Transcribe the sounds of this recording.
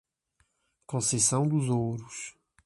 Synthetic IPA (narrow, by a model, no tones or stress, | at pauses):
kõsesɐ̃w̃d̪ʊzowɾus